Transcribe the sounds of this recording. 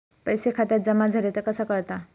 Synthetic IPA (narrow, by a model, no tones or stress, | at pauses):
pəjsekʰat̪jat̪̚d͡zəmad͡zʱəɾet̪ekəsakəɾt̪a